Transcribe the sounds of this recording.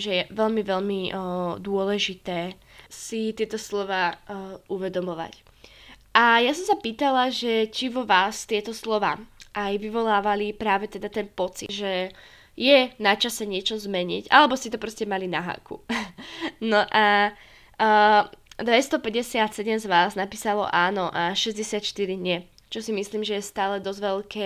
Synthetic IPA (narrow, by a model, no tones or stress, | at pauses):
ʒɛjɛʋɛʎmiʋɛʎmid̪ʊɔlɛʒit̪ɛː | sit̪ɪɛt̪ɔslɔʋaːʔuʋɛd̪ɔmɔʋa̰c | ʔajasɔmsapiːt̪alaʒɛt͡ʃiʋɔʋaːst̪ɪɛt̪ɔslɔʋa̰ːʔajʋiʋɔlaːʋalipɾaːʋɛt̪ɛd̪at̪ɛnpɔt͡sḭʒɛ | jɛnat͡ʃasɛɲɪɛt͡ʃɔzmɛɲiɟalɛbɔscɛt̪ɔpɾɔscɛmalinaɦa̰ːkṵ | nɔʔa | d̪ʋɛst̪ɔpɛɟɛsɪat̪sɛɟɛmzʋaːznapiːsalɔ̰ʔaːnɔʔaʃɛzɟɛsɪat̪ʃt̪iɾiɲɪɛ | t͡ʃɔsimisliːmʒɛjɛst̪aːlɛd̪ɔzʋɛlkʰɛː